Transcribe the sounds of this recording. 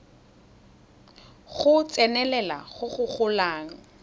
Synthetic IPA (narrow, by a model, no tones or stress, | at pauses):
χʊt͡sʼɛnɛlɛla̰χʊχʊχʊlaːŋ̩